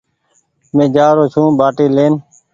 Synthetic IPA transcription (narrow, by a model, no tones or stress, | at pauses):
mẽːd͡ʒaːɾoːt͡ʃʰũːbaːʈiːleːn